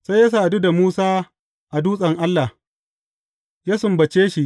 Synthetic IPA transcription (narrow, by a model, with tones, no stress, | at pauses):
sa˦jja˦s̬aː˦˨du˦da˨muː˦saː˦ | ʔa˨duː˦sʼɐ˨ŋʔa˦lːa˨ | jaː˦sʊ˨mbɐ˨t͡ʃeː˦ʃi˦ʔ